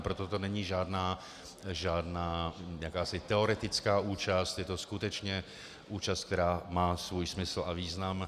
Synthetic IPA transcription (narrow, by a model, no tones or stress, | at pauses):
pɾo̞t̪o̞t̪o̞nɛɲiːʒaːdnaː | ʒaːdnaːjakaːsɪt̪ɛo̞ɾɛt̪ɪt͡skaːʔuːt͡ʃast̪jɛt̪o̞skut̪ɛt͡ʃɲɛ | ʔuːt͡ʃast̪̚kt̪ɛɾaːmaːsvuːjsmɪsl̩ʔaviːznam